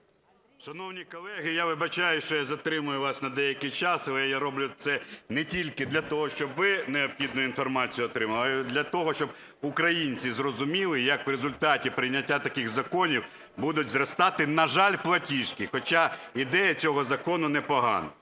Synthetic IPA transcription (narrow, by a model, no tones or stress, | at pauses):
ʃɐnɔwnʲikɔlˠɛɦɪjaʋɪbɐt͡ʃajʊʃt͡ʃɔjazɐt̪ɾɪmʊjʊʋɑsʲnɐd̪ɛjɐkɪjt͡ʃɑsɐlˠɛjaɾɔblʲʊt̪sɛnɛtʲilʲkɪd̪lʲɐt̪ɔɦɔʃt͡ʃɔbʋɪneɔpxʲid̪nʊjʊinfɔrmɑt͡sʲijʊɔt̪ɾɪmɐʋd̪lʲɐt̪ɔɦɔʃt͡ʃɔb | ʊkɾɐjinʲt͡sʲizrɔzʊmʲilˠɪjɐkʋɾezʊlʲt̪ɑtʲipɾɪjnʲːɐtʲːat̪ɐkɪxzɐkɔnʲiw | bud̪ʊtʲzrɐst̪ɑt̪ɪnɐʒɑlʲplˠɐtʲiʃkɪxɔt͡ʃaid̪ɛjɐt͡sʲɔɦɔzɐkɔnʊnɛpɔɦɑ̰nɐ̰